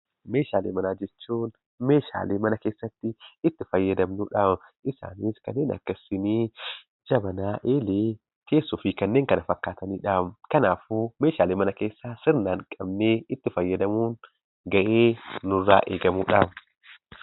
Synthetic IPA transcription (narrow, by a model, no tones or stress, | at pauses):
meːʃaːleːmɐnaːd͡ʒɛt͡ʃːuːn | me̞ːʃa̰ːleːmɐnɐkeːsːɐt̪ːɪɪt̪ːɪfɐjːɐd̪ɐmnuːᶑamʔɪsa̰ːniːskɐnːeːnɐ̰kːɐsːɪniː | d͡ʒɐbɐnaːʔeːleː | ke̞ːsːʊfɪkɐnːeːŋkɐnɐfɐkːaːt̪ɐniːᶑaːmkɐnaːfuːme̞ːʃaːleːmɐnɐke̞ːsːasɪɾnaːŋkʼɐbneːɪt̪ːɪfɐjːɐd̪ɐmuːn | ɡɐʔeːnʊrːaːʔeːɡɐmuːᶑaːf